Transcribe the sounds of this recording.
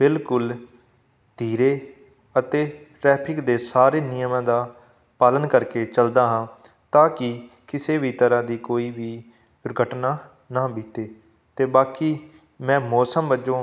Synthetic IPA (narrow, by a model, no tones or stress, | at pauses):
bɪlkʊl | d̪̥ʱiːɾeː | ət̪eː | ʈɾɛːpʰɪkd̪eːsaːɾeːnɪjəmãːd̪aː | paːlənkəɾkeːt͡ʃəld̪aːɦãː | t̪aːkɪ | kɪseːʋiːt̪əɾãːd̪iːkoːiːʋiː | ʊɾɡəʈnaː | naːbiːt̪eː | t̪eːbaːkiː | mɛ̃ːmɔːsəmʋəd͡ʒõː